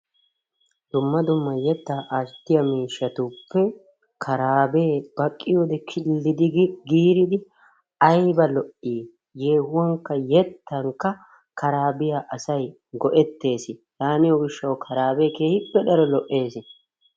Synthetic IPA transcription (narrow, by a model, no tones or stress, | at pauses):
d̪̥ʊmːɐd̪ʊmːɐjɛt̪ːaʔɐst̪ːɪjɐmiːʃːɐt̪ʊpːɛ | kʰɐɾaːbe̞ːb̥ɐkʼːɪjoːd̪ɛkʰɪlːɪd̪ɪɡiːɾɪd̪ɪ | ɐjbɐlɔʔːiː | je̞ːɦʊwɐŋkːɐjɛt̪ːɐŋkːɐ | kɐɾaːbɪjaʔɐsɐj | ɡɔʔɛt̪ːe̞ːsɪt̪aːnɪjɔɡɪʃːɐwkʰɐɾaːbeːkeːhɪpːɛd̪ɐɾɔlɔʔːe̞ːsɪ